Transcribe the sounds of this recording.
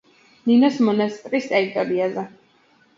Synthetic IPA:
ninɔsmɔnast̪ʼɾist̪ʼɛit̪ʼɔɾiazɛ

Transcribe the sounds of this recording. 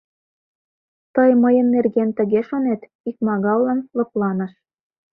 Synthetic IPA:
t̪ɤjmɤ̆jə̆nːerɣent̪ə̆ɣeʃonet̪ | ik̚mɑɣɑwlɑnlɤ̆plˠɑnɤ̆ʃ

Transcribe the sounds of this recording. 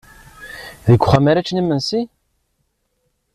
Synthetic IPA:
ðikʷːχamæɾæt͡ʃːnimənsi

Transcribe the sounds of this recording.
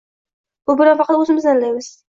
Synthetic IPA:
b̥ʊbɪɾanfɑqʰɑt̪ɵzɪmɪznanlajmɪz̥

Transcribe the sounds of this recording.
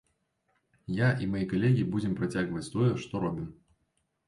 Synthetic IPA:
jaʔimajikalʲɛɣʲibud͡zʲɛmpɾat͡sʲaɣvɐt͡sʲt̪ɔjɛʂt̪ɔɾɔbʲim

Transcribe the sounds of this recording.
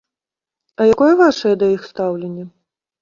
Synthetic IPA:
ɐjakɔjɛvaʂɐjɛd̪ɐixst̪awlʲenʲːɛ

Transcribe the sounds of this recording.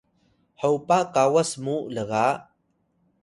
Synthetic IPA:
ħawpakawəsmuʔləɣa

